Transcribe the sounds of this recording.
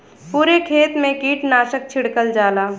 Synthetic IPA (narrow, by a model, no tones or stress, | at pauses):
puːɾekʰeːt̪mẽkiːʈnaːʃək̚t͡ʃʰɪɽkəld͡ʒaːlaː